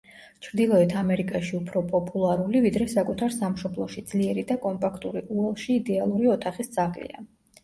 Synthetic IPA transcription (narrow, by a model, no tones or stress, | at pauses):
t͡ʃʰɾd̪ilˠɔɛt̪ʰamɛɾikʼaʃiupʰɾɔpʼɔpʼulˠaɾulivid̪ɾɛsakʼut̪ʰaɾsamʃɔblˠɔʃid̪z̥liɛɾid̪akʼɔmpʼakʰt̪ʼuɾiʔuɛlˠʃiːd̪ɛalˠuɾiɔt̪ʰaχist̪sʼʰakʼlḭa̰